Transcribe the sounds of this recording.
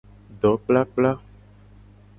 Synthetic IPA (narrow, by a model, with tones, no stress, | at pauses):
ɖɔ˨˦k͡pla˦k͡pla˦